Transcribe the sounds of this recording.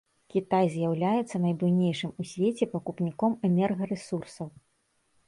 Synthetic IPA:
kʲit̪ajzʲjawlʲajɛt̪sːɐnɐjbɨjnʲejʂɨmusʲvʲet͡sʲɛpɐkupnʲikɔmɛnʲɛrɣɐɾɛsursɐw

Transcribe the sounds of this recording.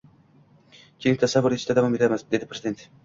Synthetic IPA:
kʲʰeɪŋʲt̪ʰasavʊɾet͡ʃd̪ad̪avɒmet̪ʰamɪzd̪e̞d̪ɪpʰɾezɪd̪e̞nt̪

